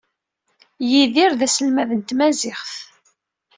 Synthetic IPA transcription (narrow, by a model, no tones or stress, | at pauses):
jiðiɾðæsəlmæðənt̪mæzɪχθ